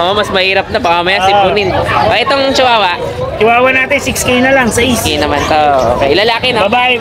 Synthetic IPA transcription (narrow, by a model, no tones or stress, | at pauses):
ʔʔomɐsmɐhiːɾɐp̚nɐpɐmɐmɐjasɪpunɪnpɐʔɪt̪oŋt͡ʃɪwaːwɐʔ | t͡ʃɪwaːwɐnaːt̪ɪnsɪkskejnɐlɐŋsɐiskejnɐmant̪oʔoːkejʔɪlɐlaːkɪnbɐbaːʔɪ